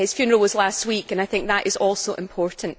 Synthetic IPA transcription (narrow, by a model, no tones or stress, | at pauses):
ɪz̥fjʉnə˞əl̩ˠwəzlˠast̚wikə̃naɪθɪ̃ŋk̚ðəʔɪzɔlˠsoʔɪ̰̃mpʰɔɹʔn̩